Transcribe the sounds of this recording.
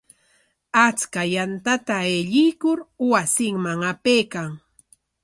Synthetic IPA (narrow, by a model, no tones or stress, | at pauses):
at͡skajant̪at̪aeʎɪjkʊɾwasɪŋmaŋapejkaŋ